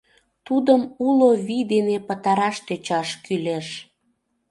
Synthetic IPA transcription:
t̪ud̪əmuloβid̪enepət̪ɑɾɑʃt̪øt͡ɕɑʃkyleʃ

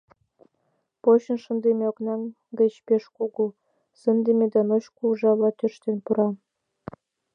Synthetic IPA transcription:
poɕə̆nʃə̆nd̪emeoknɑŋ | ɡə̆t͡ɕpeʃkuɡu | sə̆nd̪emed̪ɑnoɕkuʒɑβlɑt̪øʃt̪enpuɾɑ

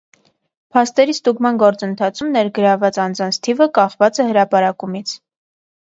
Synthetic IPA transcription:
pʰɑst̪ɛɾist̪uɡmɑnɡɔɾt͡sənt̪ʰɑt͡sʰumnɛɾɡəɾɑvɑt͡sɑnd͡zɑnt͡sʰt̪ʰivəkɑχvɑt͡sɛhəɾɑpɑɾɑkumit͡sʰ

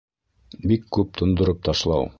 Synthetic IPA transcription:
bikːʉp̚t̪ʰŏnd̪ŏɾɤp̚t̪ɑʃlˠɑw

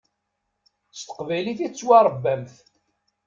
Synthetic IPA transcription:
st̪ə̥qvæjliθit͡sːwaɾˤəbːæmθ

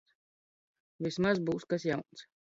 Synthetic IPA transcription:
vʲismazbuːskas̬jawnt̪s

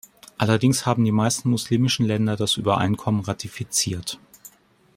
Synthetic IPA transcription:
ʔalɐdɪŋshaːbm̩diːmaɪstn̩mʊsliːmɪʃn̩lɛndɐdasʔy̰ːbɐʔa̰ɪnkʰɔmənʁatʰifit͡siːɐt

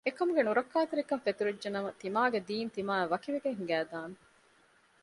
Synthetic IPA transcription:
ekɐmuɡenuɾɐkːaːt̪eɾikɐnfet̪uɾed͡ʒːɐnɐmɐt̪imaːɡed̪iːnt̪imaːeʋɐkiʋeɡeɦiŋɡæːd̪aːnu

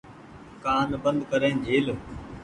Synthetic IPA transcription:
kaːnbənd̪kəɾẽːnd͡ʒʱeːl

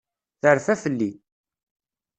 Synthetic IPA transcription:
θəɾfæfəlːi

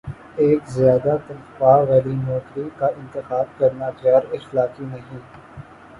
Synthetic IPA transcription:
eːkzjaːd̪at̪ɐɾfaːʋɛːlimɔːt̪ɾikaʔɪ̃nt̪ɪxaːb̚kɐɾnat͡ʃaːɾɪxlaːkinɐɦĩː

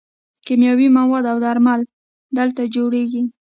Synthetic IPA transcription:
kimjɑwimawɑd̪awd̪aɾmal | d̪əlt̪ad͡ʒoɽeɡi

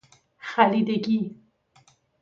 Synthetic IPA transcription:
xalid̪eɡi

